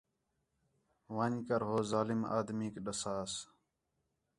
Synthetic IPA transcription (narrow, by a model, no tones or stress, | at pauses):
ʋəɲkəɾɦoːzaːlɪma̰ːd̪miːkɗəsaːs